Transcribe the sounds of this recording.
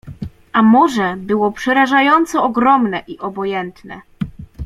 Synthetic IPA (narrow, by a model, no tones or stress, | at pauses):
ʔamɔʐɛbɘwɔpʂɛɾaʐajɔnt̪sɔɔɡɾɔmnɛʔiʔɔbɔjɛnt̪nɛ̰